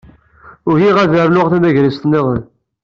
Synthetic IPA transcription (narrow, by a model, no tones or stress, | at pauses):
ʊɾʝiʁæðəɾlʊʁθæmæʝɾist̪ˤnːɪʁən